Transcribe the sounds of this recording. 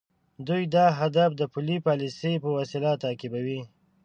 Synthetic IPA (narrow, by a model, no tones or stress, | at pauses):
d̪ujd̪ɑɦad̪afd̪əpulipɑlisejpəwasɪlat̪akɪbawi